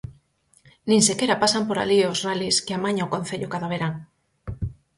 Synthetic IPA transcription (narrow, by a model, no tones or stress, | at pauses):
nĩŋsekeɾapasampoɾa̰liozraliskeɪamaɲaokõn̟θeʎokaðaβ̞eɾaŋ